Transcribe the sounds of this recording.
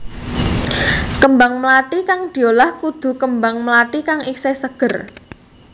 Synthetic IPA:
kəmbaŋməlaʈ̪ikaŋd̪̥i̤olahkud̪̥ṳkəmbaŋməlatikaŋisesəɡ̥ə̤r

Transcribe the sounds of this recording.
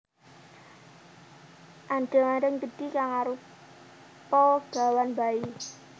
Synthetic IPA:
ʔanɖ̥ɛ̤ŋanɾəŋɡəɖ̥i̤kaŋaɾu | pɔɡ̥a̤wanbai

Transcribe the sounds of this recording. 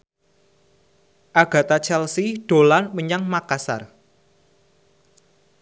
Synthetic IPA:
ʔaɡ̥ä̤t̪at͡ʃɛlsiɖ̥o̤lanməɲaŋmakasa̰r

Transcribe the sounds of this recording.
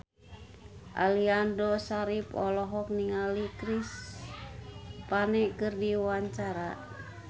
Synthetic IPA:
ʔa̰liandɔsaɾipɔlɔɦɔk̚niŋalikɾis | panɛkɨrdiwaɲt͡ʃaɾa

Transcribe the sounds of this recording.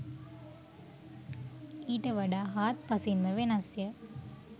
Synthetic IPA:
iːʈɐʋɐɖaɦaːt̪̚pɐsinʋɐʋenasjɐ

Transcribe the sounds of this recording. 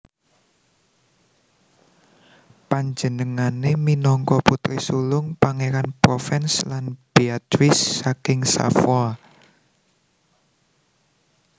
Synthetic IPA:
paɲd͡ʒənəŋaneminɔŋkɔput̪ɾisulʊŋpaŋeɾanpɾɔfɛnslanb̥eat̪ɾɪsːakɪŋsa̰fwɔ

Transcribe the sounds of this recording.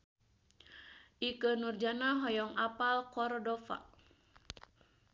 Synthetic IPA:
ʔikənurd͡ʒanaɦɔjɔŋapalkɔrdɔfa̰

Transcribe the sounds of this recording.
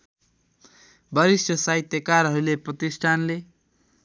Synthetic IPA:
bʌɾisʌsait̪jʌkaɾɦʌɾuleprʌt̪isʈʰanle

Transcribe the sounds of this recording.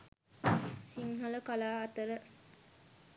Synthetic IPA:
siŋɦɐlɐkɐlaːɐt̪ɐɾɐ

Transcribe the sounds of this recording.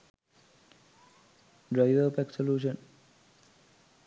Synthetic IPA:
ɖɾaɪʋəɾpɛksoljuːʃə̃n

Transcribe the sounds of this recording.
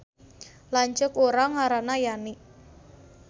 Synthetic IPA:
laɲt͡ʃʊkoɾaŋaɾaʔnajaniʔ

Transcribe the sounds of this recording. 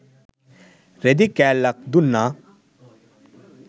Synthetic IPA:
ɾed̪ikɛːlːɐk̚d̪unːa

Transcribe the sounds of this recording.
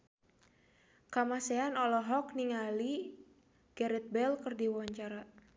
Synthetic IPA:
kamasɛanɔlɔɦɔk̚niŋali | ɡ̥ɛɾɛt̪̚bɛlkərdiwɔɲt͡ʃaɾa

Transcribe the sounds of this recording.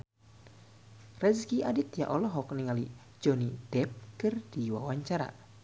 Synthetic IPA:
rɛzkiʔadɪt̪ja̰ʔɔlɔɦɔk̚niŋali̥ | d͡ʒ̥ɔnid̥ɛp̚kɨrd̥iwawaɲt͡ʃaɾa̰

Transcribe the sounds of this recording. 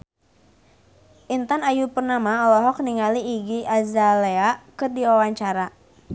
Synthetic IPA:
ʔint̪anajupərnamaɔlɔɦɔk̚niŋaliːɡiazaleakɨrdiwawaɲt͡ʃaɾa

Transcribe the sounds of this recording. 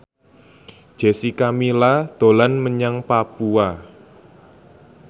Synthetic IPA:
d̥ʒ̥e̤sikamilad̪̥o̤lanməɲaŋpapua

